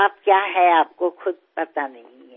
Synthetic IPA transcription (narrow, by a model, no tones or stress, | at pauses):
aːp̚kjaːɦɛaːp̚koxʊd̪̚ʱpɐt̪anɐɦĩɦɛ